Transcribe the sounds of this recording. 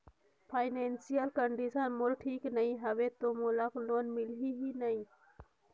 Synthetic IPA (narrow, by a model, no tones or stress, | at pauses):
pʰaːjnensijəlkɐɳɖisənmʊlʈʰiːknɐĩɦɐʋet̪omulaklonmilɦiɦinɐĩ